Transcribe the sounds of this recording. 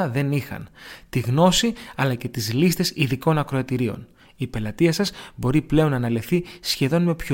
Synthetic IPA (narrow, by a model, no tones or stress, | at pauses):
ðe̞nixɐ̰nt̪iɣno̞siɐlɐce̞t̪izlist̪e̞siðiko̞nɐkɾo̞ɐt̪iɾio̞̰n | ipe̞lɐt̪iɐsɐzbo̞ɾiple̞o̞nːɐnɐlefθisçe̞ðo̞nme̞pço